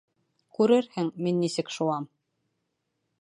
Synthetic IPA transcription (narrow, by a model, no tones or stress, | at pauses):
kʉɾɘɾhɘŋminːisɘkʃuɑm